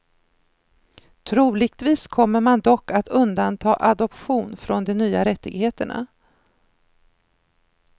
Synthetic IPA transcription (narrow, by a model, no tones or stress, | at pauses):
t̪ʰɾuːlɪɡ̚t̪viːskʰɔmːəɾmand̪ɔkːat̪ɵnd̪ant̪ʰɑːʔad̪ɔpɧuːnfɾɔnd̪ɛnyːaɾɛt̪ːɪɡheːt̪əɳa̰